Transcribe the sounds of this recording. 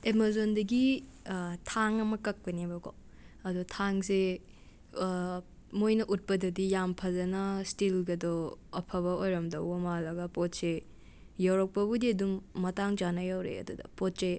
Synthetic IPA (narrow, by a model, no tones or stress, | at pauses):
emazondɐɡi | tʰaŋɐmɐkɐk̚pɐnibɐɡo̰ | ɐdutʰaŋse | mojnɐʔut̚pɐdɐdijampʰɐzɐnɐstilɡɐdɔɐpʰɐβɐojɾɐmdɐwbɐmalɐɡɐpot̚se | jawɾɐk̚pɐbudiɐdumːɐtaŋd͡ʒanɐjawɾḛɐ̰dudɐ̰pot̚se